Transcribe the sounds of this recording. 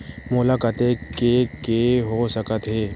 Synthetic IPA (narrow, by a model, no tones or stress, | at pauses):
mʊlaːkət̪ekekeɦosəkət̪ɦeː